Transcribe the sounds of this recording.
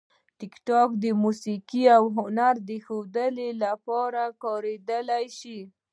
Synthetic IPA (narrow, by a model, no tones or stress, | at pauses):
ʈɪkʈɑkd̪əmusikiawɦʊnaɾd̪əxod̪əlelapɑɾakɑɾed̪əlajʃi